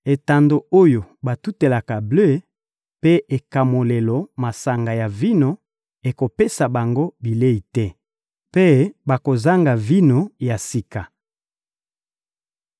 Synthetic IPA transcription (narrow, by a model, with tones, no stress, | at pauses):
e˨ta˨ndo˨o˦jo˨ba˨tu˦te˨la˨ka˨blø˦˨˦ | pe˦e˨ka˨mo˨le˨lo˨ma˨sa˨ŋɡa˨ja˨vi˦no˨ | e˨ko˨pe˦sa˨ba˨ŋɡo˦bi˨le˦i˨tɛ˦ | pe˦ba˨ko˨za˦ŋɡa˨vi˦no˨ja˨si˦ka˨